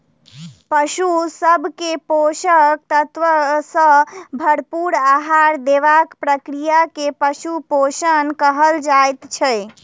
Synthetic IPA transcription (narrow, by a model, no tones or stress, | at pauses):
pəʃusəbʱkepoʃək̚t̪ət̪ʋəsə̃bʱəɽpuɾaɦaɾd̪eʋakpɾəkɾijakepəʃupoʃənkəɦəld͡ʒaet̪t͡ʃʰɛj